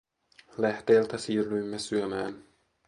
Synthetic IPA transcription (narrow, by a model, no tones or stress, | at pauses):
læht̪eːlt̪æsiːryjmːesyømæːn